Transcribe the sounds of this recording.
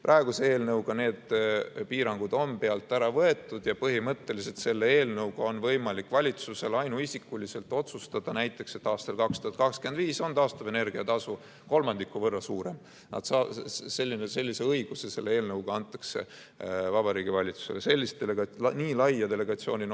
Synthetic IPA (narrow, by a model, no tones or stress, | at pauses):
prʔɑeɡ̥useeːlnɤwɡ̥ɑne̞ːd̪̥piːɾɑŋɡ̥ud̪o̞npe̞ɑlt̪ːˑæɾɑvɤe̞t̪ːˑud̪̥jɑpɤɦimɤt̪ːe̞liset̪se̞lːeeːlnɤwɡ̥ɑo̞nvɤjmɑlikːˑvɑlʲit̪suse̞lɑjnuisikːulise̞lt̪ˑo̞t̪sust̪ɑd̪̥ɑnæjt̪ˑːe̞kse̞t̪ːɑːst̪ɑlkɑkst̪uhɑt̪̚kɑkskyend̪viːso̞nt̪ɑːst̪ɑve̞ne̞rɡ̥iɑt̪ɑsu | ko̞lmɑnd̪ikːˑuvɤrːɑsuːɾe̞m | nɑ̰d̪̥sɑːse̞lʲːinese̞lʲːise̞ɤjɡ̥usese̞lːeeːlnɤwɡ̥ɑɑnt̪ːˑɑ̥kse̞̰ | vɑbɑɾiːɡ̥ivɑlʲit̪su̥se̞lese̞lʲːist̪̚eleɡɑniːlɑjːɑd̪e̞le̞ɡ̥ɑt̪sio̞ːnʲin